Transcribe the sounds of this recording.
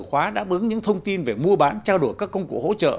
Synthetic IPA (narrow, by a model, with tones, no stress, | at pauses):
xwaː˨˦ɗa̰ː˧˥ɓɨ˨˦əŋɲɨ̰˧˥ŋt̪ʰə˧wŋ͡mt̪i˧nve˨˩mu˧əɓaː˨˦nt͡ɕaː˧wɗu˧˩əjkaː˦˥kːə˧wŋ͡mkṵ˨˧˩ho̰˧˥t͡ɕə̰ː˧˨